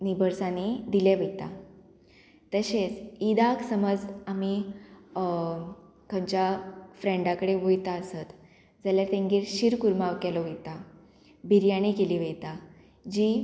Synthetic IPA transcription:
nibʱəɾsanid̪ileʋət̪a̰ | t̪əɕet͡sid̪aksəməd͡zami | kəmt͡ɕjafɾẽɳɖakəɽeʋujt̪aəsət̪ | d͡zaljat̪ẽŋɡiːɾɕiɾkuɾmaʋkɛlɔʋijt̪a | bʱiɾjaɽ̃ikeliʋejt̪a | d͡ʑi

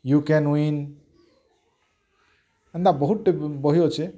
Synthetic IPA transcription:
jukenwin | ʌnd̪abʌɦuʈːebʌɦijot͡sʰe

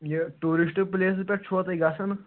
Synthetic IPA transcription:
jeʈuɾiʂʈples̬pʲɛʈt͡ʃʰot̪ajɡasan

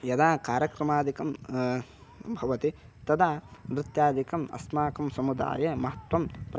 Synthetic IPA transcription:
jɐd̪aːkaːɾjɐkɾɐmaːd̪ikɐm | bʱɐʋɐt̪i | t̪ɐd̪aːʋɾɪt̪jaːd̪ikɐmɐ̰smaːkɐmsɐmud̪a̰ːjɐmɐɦɐt̪ʋɐmpɾ

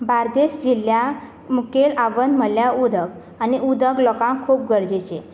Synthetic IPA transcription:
baɾd̪eɕd͡ʑilja | mukelaʋənməljaud̪ʱəɡ | añiud̪ʱəɡlɔkãŋkʰuːp̚ɡəɾd͡ʑet͡ɕe

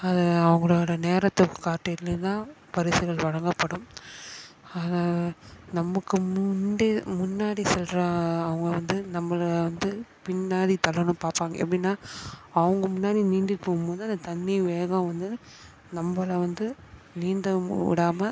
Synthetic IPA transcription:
ɐðɯɐʋɐŋɡɐɭoːɽɐneːɾɐt̪ːɯkːɯ̥kaːɾʈːɐtlɯt̪ãː | pɐɾɪsɯɣɐɭʋɐɻɐŋɡɐpːɐɽɯm | aːnaːnɐmːɐkːɯmʊnɖemʊnːaːɽisɛlɾaɐʋɐŋɡɐʋɐnd̪ɯnɐmːɐɭʋɐnd̪ɯpɪnːaːɽit̪ɐɭɐnɯmpaːɾpaːŋɡɐ̰ɛ̰pːɐɽinːaːɐʋɐŋɡɐmʊnːaːɽiniːɳɖɪɾpːoːɣɯmboːðɯɐnd̪ɐt̪ɐnːiʋeːɣɐ̃mʋɐnd̪ɯ | nɐmːbɐɭɐʋɐnd̪ɯ | niːnd̪ɐɪ̰ɽaːmɐ

